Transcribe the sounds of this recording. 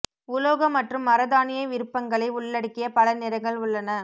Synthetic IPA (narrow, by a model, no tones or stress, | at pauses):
ʊloːɣɐmːɐʈrɯmːɐɾɐðaːnɪjɐʋɪɾɯpːɐŋɡɐɭɐɪʊɭːɐɽɯkːɪjɐpɐlɐnɪɾɐŋɡɐɭʊɭːɐnɐ